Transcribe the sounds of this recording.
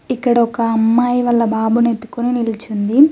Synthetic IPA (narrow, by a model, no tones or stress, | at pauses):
ikːɐɽɐɔkɐɐmːaːjiʋɐlːɐbaːbunet̪ːu̥koninilit͡ʃund̪i